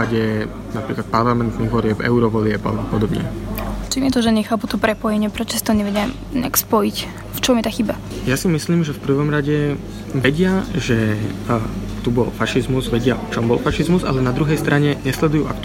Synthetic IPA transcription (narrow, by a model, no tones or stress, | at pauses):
aɟɛ | napɾiːklat̪̚paɾlamɛnt̪niɣʋɔlɪɛpɛ̰ʊɾɔʋɔlɪɛpa̰lɛbɔpɔd̪ɔbɲɛ̰t͡ʃimjɛt̪ɔʒɛɲɛxaːput̪ɔpɾɛpɔjɛɲɪɛpɾɛt͡ʃɔ̥si̥t̪ɔɲɛʋɛɟam | ɲɛ̰akspɔjic | ft͡ʃɔmjɛt̪aːxiba | jasimisliːmʒɛfpr̩ʋɔmɾaɟɛ | ʋɛɟɪaʒɛ | t̪ubɔ̰lfaʃizmuzʋɛɟɪaʔɔt͡ʃɔmbɔlfaʃizmuza̰lɛnad̪ɾuɦɛjst̪ɾaɲɛɲɛslɛd̪ujuːʔa̰kt̪